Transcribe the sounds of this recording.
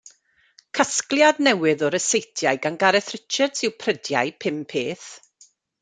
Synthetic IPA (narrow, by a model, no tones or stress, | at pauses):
kʰasklˠjadnɛwɨðɔɾəsejtʰjajɡanɡaɾɛθrɪt͡ʃədsɪwpʰrədja̰jpʰɪmpʰeːθ